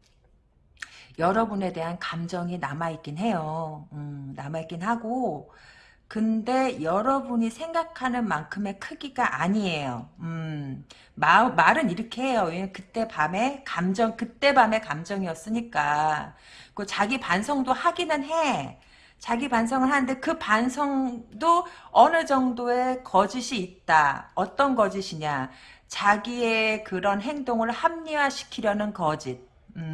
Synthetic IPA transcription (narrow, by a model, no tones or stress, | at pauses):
jʌɾʌbune̞de̞ɦankamd͡ʑʌŋinamaik͈inɦe̞joɯnamaik͈inɦaɡo | kɯnde̞jʌɾʌbuɲisʰe̞ŋɡakʰanɯnmankʰɯme̞kʰɯɡiɡaʔaɲie̞joɯ | mamaɾɯniɾʌkʰeɦe̞joemʌnkɯt͈e̞bame̞kamd͡ʑʌŋkɯt͈e̞bame̞kamd͡ʑʌŋiʌs͈ɯɲik͈a | k͈ot͡ɕaɡipansʰʌŋdohaɡinɯnɦe̞ | t͡ɕaɡipansʰʌŋɯɭɦanɯnde̞kɯpansʰʌŋdoʌnɯd͡ʑʌŋdoekʌd͡ʑiɕʰiːt̚t͈aʌt͈ʌnɡʌd͡ʑiɕʰiɲat͡ɕaɡiekɯɾʌnɦe̞ŋdoŋɯɭhamɲiwaɕʰi̥kʰiɾjʌnɯnkʌd͡ʑid̚ | ɯ